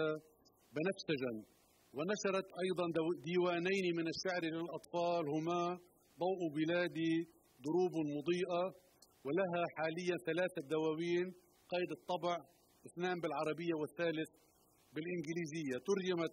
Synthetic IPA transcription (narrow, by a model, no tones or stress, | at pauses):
a | bɪnafsaʒan | wɪnaʃɑɾˤɑt̪ʔɑjd̪ˤɑnd̪iːwaːnajnimɪnɪʃːaʕɾilɪlʔɑt̪ˤfɑːlhʊmaː | d̪ˤɑːʔubɪlaːd̪i | d̪ˤʊɾuːbmʊd̪ˤiːʔa | wɪlaɦaħaːlɪjːanθalaːθad̪awaːwiːn | qɑːjd̪ɨt̪ˤːɑbʕ | ʔɪθnaːmbɪlʕɑɾˤɑbɪjːawɪθːaːlɪθ | bɪlʔɪnɡɪliːzɪjːat̪ʊɾd͡ʒama